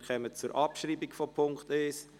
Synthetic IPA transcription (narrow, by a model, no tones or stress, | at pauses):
χɛmət͡suɾʔɑpʃɾiːbikfɔpʰʊŋkteːs